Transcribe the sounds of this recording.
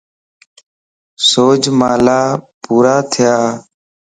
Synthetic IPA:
soːd͡ʒmaːlaːpuːɾaːt̪ʰɪjaː

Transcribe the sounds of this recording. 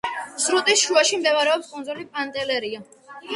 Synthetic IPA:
sɾut̪ʼisʃuaʃimd̪ɛvaɾɛɔpskʼund̪zulipʼant̪ʼɛlɛɾia

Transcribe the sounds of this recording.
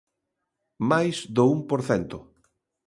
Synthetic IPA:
majsd̪oumpoɾθɛnt̪ʊ

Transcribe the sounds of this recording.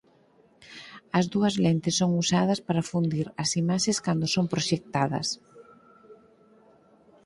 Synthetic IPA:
ɐzðuɐzlent̪ɪsoŋusaðɐspaɾɐfund̪iɾɐsimaʃeskand̪osompɾoʃek̚t̪aðɐ̰s

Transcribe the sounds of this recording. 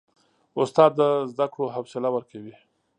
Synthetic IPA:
ʊst̪ɑd̪ːəzd̪akɽoɦawsɪlawəɾkawi

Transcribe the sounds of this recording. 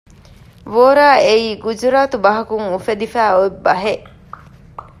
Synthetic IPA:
ʋoːɾaːeiːɡud͡ʒuɾaːt̪ubɐɦɐkuŋufed̪ifæːoebːɐɦeʔ

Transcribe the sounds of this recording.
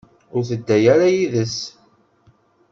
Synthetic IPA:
ʊɾθəd̪ːæjaɾajiðəs

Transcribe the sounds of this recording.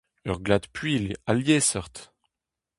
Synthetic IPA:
œʁɡlad̪pɥilaljɛsœʁt̪

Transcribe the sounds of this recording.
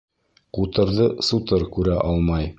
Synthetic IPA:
qut̪ɤ̆ɾðɤsut̪ɤɾkʉɾæʔɑlˠmɑj

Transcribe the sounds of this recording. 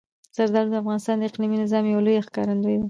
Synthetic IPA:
z̥aɾd̪ɑɾd̪əafɣɑnɪst̪ɑnd̪əɪqliminɪzɑmjawlojaxkɑ̰ɾand̪ojd̪a

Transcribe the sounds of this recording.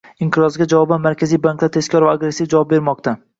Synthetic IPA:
ɪŋq̪ʰɨɾɒzɡʲad͡ʒavɒbanmaɾkʲazijbaŋklˠat̪ʰe̞skʲɒɾvaːɡɾesːivd͡ʒavɒp̚be̞ɾmɒqt̪ʰa

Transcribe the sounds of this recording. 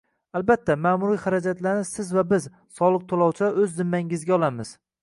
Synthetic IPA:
albat̪ʰːamamʊɾijχaɾad͡ʒat̪laɾnɪsɪzvabɪz | sɒlˠɨq̚t̪ʰolˠɒwt͡ʃʰaɵzːɪmːaŋɪzɡʲaɒlˠamɪz̥

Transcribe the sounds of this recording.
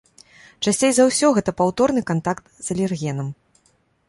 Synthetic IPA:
t͡ʂasʲt͡sʲejzawsʲɔɣɛt̪ɐpawt̪ɔrnɨkant̪akt̪z̥ɐlʲɛrɣʲɛnɐm

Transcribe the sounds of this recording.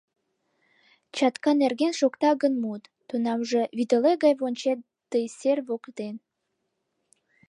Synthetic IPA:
t͡ɕɑt̪kɑnerɡenʃokt̪ɑɣənmut̪ːunɑmʒəβid̪əleɡɑjβonʲt͡ɕe | d̪̥əjserβokt̪en

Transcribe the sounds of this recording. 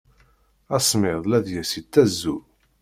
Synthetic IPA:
æsˤmɪðˤlæðjæsit̪ːæzːu

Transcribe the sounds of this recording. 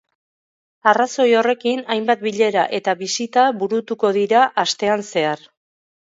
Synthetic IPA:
araso̞jo̞re̞kinajmbat̪̚biʎe̞ɾaʔe̞t̪aβisit̪aβuɾut̪uko̞ðiɾaʔast̪e̞anse̞aɾ

